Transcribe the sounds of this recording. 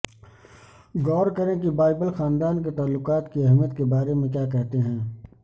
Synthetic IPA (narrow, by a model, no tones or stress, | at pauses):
ɡɔːɾkɐɾẽkibaːɪbəlxaːnd̪aːnket̪aːlːʊqaːt̪kiɐɦmjət̪kebaːɾemẽkjaːkɛɦt̪eɦɛ̃ː